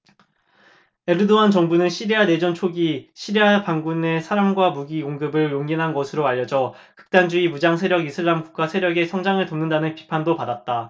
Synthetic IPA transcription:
e̞ɾɯdoant͡ɕʌŋbunɯnɕʰiɾiane̞d͡ʑʌnt͡ɕʰoɡiɕʰiɾiapaŋɡune̞sʰaɾamɡwamuɡikoŋɡɯbɯɭjoŋɡinɦanɡʌsʰɯɾoaʎːʌd͡ʑʌ | kɯ̥k̚t͈and͡ʑuimud͡ʑaŋsʰeɾjʌɡisʰɯɭːamɡuk̚k͈asʰe̞ɾjʌɡe̞sʰʌŋd͡ʑaŋɯɭtʌmnːɯndanɯnpi̥pʰandopadat̚t͈a

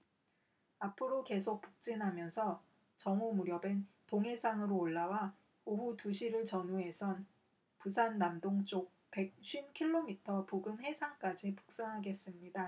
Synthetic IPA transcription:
apʰɯɾoke̞sʰok̚p͈uk̚t͡ɕ͈inɦamjʌnsʰʌ | t͡ɕʌŋomuɾjʌbentoŋɦe̞sʰaŋɯɾoːɭːawa | oɦutuɕʰiɾɯɭt͡ɕʌnuɦe̞sʰʌn | pusʰanːamdoŋt͡ɕ͈ok̚pe̞k̚ɕ͈ʰɥinkʰiɭːomitʰʌpoɡɯnhe̞sʰaŋk͈ad͡ʑipu̥k̚s͈aŋɦaɡe̞s͈ɯmɲida

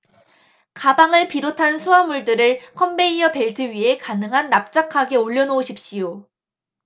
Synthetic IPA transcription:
kabaŋɯɭpiɾotʰansʰuamuɭdɯɾɯɭkʰʌmbeiʌpe̞ɭtʰɯɥiɦe̞kanɯŋɦanːap̚t͡ɕ͈akʰaɡe̞oʎːʌnoːɕʰip̚ɕ͈ijo

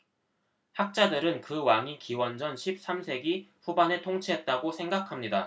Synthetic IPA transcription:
hak̚t͡ɕ͈adɯɾɯnkɯwaŋikiwʌnd͡ʑʌnɕʰip̚s͈amsʰe̞ɡiɸubane̞tʰoŋt͡ɕʰiɦe̞t̚t͈aɡosʰe̞ŋɡakʰamɲida

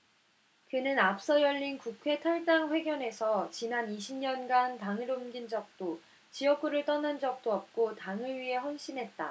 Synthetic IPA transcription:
kɯnɯnap̚s͈ʌjʌʎːinkukʰwe̞tʰaɭt͈aŋɸwe̞ɡjʌne̞sʰʌt͡ɕinaniɕʰimɲʌnɡantaŋiɾomɡind͡ʑʌk̚t͈o | t͡ɕiʌk̚k͈uɾɯɭt͈ʌnɯnd͡ʑʌk̚t͈oʌp̚k͈otaŋɯɭɥiɦe̞ɸwʌnɕ͈inɦe̞t̚t͈a̰

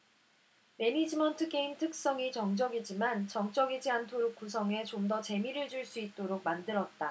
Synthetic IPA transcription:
me̞nid͡ʑimʌntʰɯɡeimtʰɯk̚s͈ʌŋit͡ɕʌŋd͡ʑʌɡid͡ʑimant͡ɕʌŋt͡ɕ͈ʌɡid͡ʑiantʰoɾok̚k͈us̬ʰʌŋe̞t͡ɕomdʌt͡ɕe̞miɾɯɭd͡ʑuɭs͈uit̚t͈oɾok̚mandɯɾʌt̚t͈a

